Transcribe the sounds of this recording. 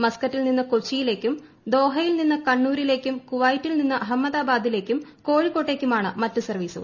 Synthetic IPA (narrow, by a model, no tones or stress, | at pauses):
mɐskɐtːilninːɨkot͡ɕːijile̞ːkʲːum | d̪o̞ːɦɐjilninːɨkɐɳːuːɾile̞ːkʲːumkuʋaːjitːilninːɨɦɐmːɐðaːbaːd̪ile̞ːkʲːumko̞ːɻikːo̞ːʈːe̞ːkʲːumaːɳɨmɐtːɨsɐrʋiːsṵɐ̰